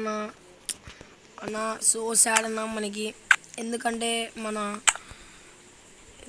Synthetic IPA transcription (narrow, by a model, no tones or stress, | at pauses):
nːa | ɐnːasoːsaːɽɐnːamɐnɐk̬ʲːiend̪ukɐɳʈeːmɐnɐ